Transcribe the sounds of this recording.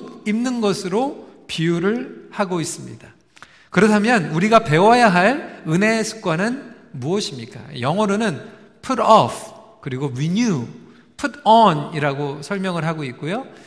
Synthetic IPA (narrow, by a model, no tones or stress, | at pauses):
kimnɯnɡʌsʰɯɾopiuɾɯɭhaɡois͈ɯmɲḭda | kɯɾʌtʰamjʌnuɾiɡape̞wajaɦaɭɯne̞sʰu̥k̚k͈wanɯn | muʌɕʰimɲik͈a̰jʌŋwʌɾonɯn | pʰuɾʌpʰ | kɯɾiɡoɥiɲu | pʰudʌniɾaɡosʰʌɭmjʌŋɯɭɦaɡoik̚k͈ojo